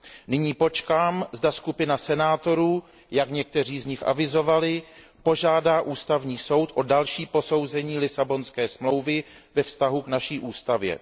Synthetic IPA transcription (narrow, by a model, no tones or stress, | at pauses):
nɪɲiːpo̞t͡ʃkaːmzdaskupɪnasɛnaːt̪o̞ɾuː | jakɲɛk̚t̪ɛr̝iːzɲɪxʔa̰vɪzo̞valɪ | po̞ʒaːdaːʔuːst̪avɲiːso̞wt̪ʔo̞dalʃiːpo̞so̞wzɛɲiːlɪsabo̞nskɛːsmlo̞wvɪ | vɛfst̪aɦuknaʃiːʔuːst̪avjɛ̰